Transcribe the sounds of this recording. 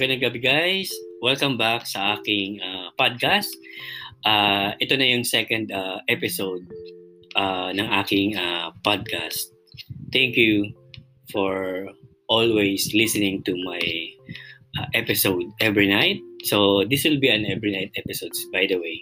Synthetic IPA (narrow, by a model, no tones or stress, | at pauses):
kɐnɐkabɡajswɛlkɐmbaksɐʔaːkɪŋapad̪̚kast̪̚ʔaʔɛt̪o̞nɐjʊŋsɛkɐ̃nd̪aʔɛpɪsowd̪̚ | ʔanɐŋʔaːkɪŋapad̪̚ka̰st̪̚ | t̪ɛŋkju | fɔɹ | ʔolwejslisɛnɪ̃ŋt̪umaj | ʔaʔɛpɪsowd̪̚ɛvɹinajt̪̚sod̪ɪswɪlbiɐ̃nɛvɹinajt̪̚ʔɛpɪsowd̪sbajd̪ɐwej